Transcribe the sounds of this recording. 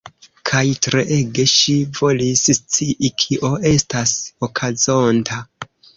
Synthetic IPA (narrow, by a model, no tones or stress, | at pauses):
kʰajtɾeʔe̞ɡe̞ʃivo̞lisst͡siʔikʰiʔo̞e̞stasokʰazo̞ntʰa